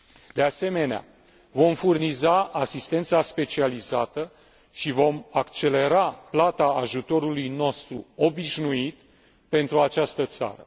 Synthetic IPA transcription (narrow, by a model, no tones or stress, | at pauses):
d̪e̞ase̞me̞nea̰ | vo̞mfurnizaʔasist̪e̞nt̪saspe̞t͡ʃializat̪ə | ʃivo̞makt͡ʃe̞le̞ɾaplat̪aːʒut̪o̞ɾulujno̞st̪ɾṵo̞biʃnuit̪ | pe̞nt̪ɾuat͡ʃast̪ət̪sa̰ɾə